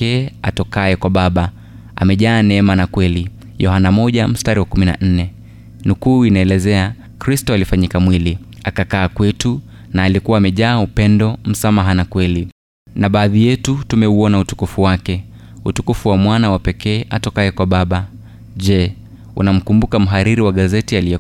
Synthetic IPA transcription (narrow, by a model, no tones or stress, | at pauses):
ɛa̰tɔkaɛkwaɓaɓa | a̰mɛʄaːnɛɛmanakwɛli | jɔhanamɔʄam̩staɾiwakumina̰n̩nɛ | nukuːinaɛlɛzɛa | kɾistɔalifaɲikamwili | akakaːkwɛtu | naːlikuwaːmɛʄaːupɛndɔm̩samaɦanakwɛli | naɓaːðijɛtutumɛuɔnautu̥kufuwakɛ | ṵtukufuwamwanawapɛkɛːʔatɔkaɛkwaɓaɓa | ʄɛ | ṵnam̩kumbukam̩ɦaɾiɾiwaɠazɛtialijɛ